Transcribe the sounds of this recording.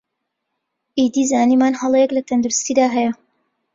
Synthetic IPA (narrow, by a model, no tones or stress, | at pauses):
ʔiːd̪iːzaːniːmaːnhɐlˠejɛklɐt̪ʰɐnd̪uɾʊst̪iːd̪aːɦɛjɐ